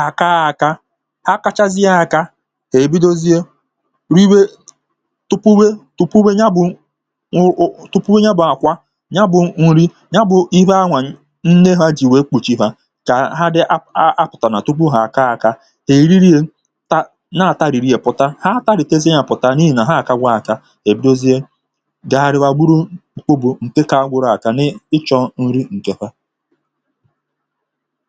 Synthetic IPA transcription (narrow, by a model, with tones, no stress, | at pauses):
a˨ka˦a˨ka˦ | ha˦ka˦t͡ʃa˦zi˦a˦a˨ka˦ | he˨bi˦do˦zi˦e˦ | ɾi˦we˦ | tʊ˦pu˦we˦tʊ˦pu˦we˦ɲa˦bʊ˨˦ | tʊ˦pu˦we˦ɲa˦bʊ˨a˨kʷa˦ | ɲa˦bʊ˨ŋ̩˨˦ɾi˦ | ɲa˦bʊ˨i˦ɦa˦ŋʷa˨˦ | n̩˦ne˦ɦa˦d͡ʒi˨we˨˦k͡pu˨t͡ʃi˦ɦa˦ | ka˨ɦa˦dɪ˦a˦pʊ˨ta˨na˨tu˦k͡pu˦ɦa˨a˨ka˦a˨ka˦ | he˨i˨ɾi˦ɾi˦e˦ | ta˦ | na˦˨ta˦ɾi˨ɾi˦e˨pʊ˦ta˦ha˦ta˦ɾɪ˨te˦ze˦ɲa˨pʊ˨ta˦ni˦i˨na˨ɦa˦˨ka˦ɡʷa˦a˨ka˦ | e˨bi˦do˦zi˦e˦ | ɡa˨ɾɪ˨wa˨ɡ͡bu˦ɾu˦˨k͡po˦bu˨ŋ̩˨ke˦ka˨a˦ɡʷʊ˦ɾa˨ka˦nɪ˦ɪ˦t͡ʃɔ˦n̩˦ɾi˦ŋ̩˨ke˨ɸa˦